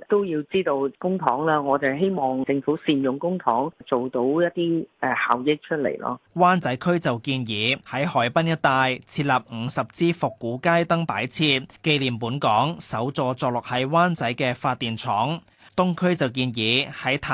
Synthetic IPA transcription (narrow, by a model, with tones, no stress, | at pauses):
t̪o˥wjiː˧wt͡siː˥t̪o˧wkʊ˥ŋt̪ʰɔː˨˥ŋlaː˧˥ŋɔː˨˧t̪ɐ˨˩ɦe˥jmɔː˨˩ŋt͡sɪ˧ŋfuː˨˥siː˧njʊ˨ŋkʊ˥ŋt̪ʰɔː˨˥ŋt͡so˨wt̪o˨˥wjɐ˥t̚t̪iː˥ɛ˨˩haː˨˩wjɪ˥k̚t͡ʃʰɵ˥t̚lḛ˨˩jlɔ̰ː˧˥waː˥nt͡sɐ˨˥jkʰɵ˥ɥt͡sɐ˨˩wkiː˧njiː˨˧hɐ˨˥jhɔː˨˩jpɐ˥njɐ˥t̚t̪aː˨˧jt͡sʰiː˧t̚lɐ˨˩p̚ŋ̩˨˧sɐ˨p̚t͡siː˥fʊ˨kːuː˨˥kaː˥jt̪ɐ˥ŋpaː˨˥jt͡sʰiː˧t̚ke˧jliː˨˩mpuː˨˥nkɔː˨˥ŋsɐ˨˥wt͡sɔː˧t͡sɔː˧k̚lʊ˨˩k̚hɐ˨˩jwaː˥nt͡sɐ˨˥jkɛː˧faː˧t̚t̪ːiː˨nt͡sʰɔː˨˥ŋ | t̪ʊ˥ŋkʰɵ˥ɥt͡sɐ˨wk̬iː˧njiː˨˧hɐ˨˥jt̪ʰa˨